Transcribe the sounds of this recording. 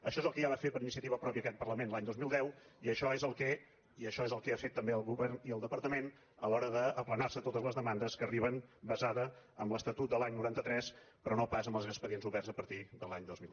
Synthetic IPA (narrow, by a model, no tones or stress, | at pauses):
əʃɔezəlˠkɛjaβafet̪pəɾinis̬iət̪iβəpɾɔpjiəːkɛt̪̚pərləmenlaɲd̪ozmilˠd̪ɛwiəʃɔezəlˠkɛ | iəʃɔezəlˠkɛafet̪ːəmbeəlˠɣuβɛrniəlˠd̪əpəɾt̪əmen | əlɔɾəðəːplənarsət̪ot̪əzləzðəmand̪əskəriβ̞ənbəzaðəəmləst̪ət̪ut̪̚d̪əlˠaɲnuɾant̪ət̪ɾɛspɾɔnopazəmbəlˠzəspəðienzuβɛrzəpəɾt̪iðəlˠaɲd̪ozmi